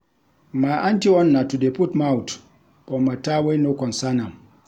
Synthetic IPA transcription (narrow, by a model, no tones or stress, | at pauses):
maʔantiɔnːatudeputmawt | ɓɔmatawenokɔnsanam